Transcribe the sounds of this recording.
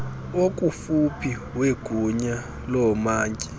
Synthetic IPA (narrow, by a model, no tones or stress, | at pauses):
ok̬ʼufupʰi | weɡ̥ʱuɲa | lɔmaːŋkʼi̥